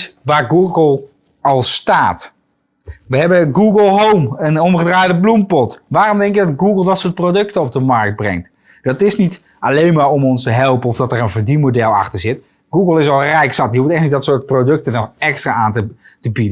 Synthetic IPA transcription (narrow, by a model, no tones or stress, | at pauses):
sʋaːɹɡuɡəlˠ | ɑlˠstaːt | ʋəɦɛbəɡuɡəlˠɦowmənɔmχədraːjdəblumpɔtʋaːrɔmdɛŋkɪɡ̚dɑdɡuɡəlˠdɑtsʊːɹt̚prowdɵktəɔb̚dəmɑɹk̚d̚brɛ̰ŋkt | d̥ɑtɪsnit | ʔalejnmaːɹɔmɔnstəɦɛlˠpənɔfdɑtəɹənvəɹdimodɛlˠɑ̰χtəɹzɪt | ɡ̥uːɡəlˠɪsɑlˠrɛjksɑt̚dihuftɛχtnidɔtsʊːɹt̚prodɵk̚tənɔχɛkstraːaːntə | təbidə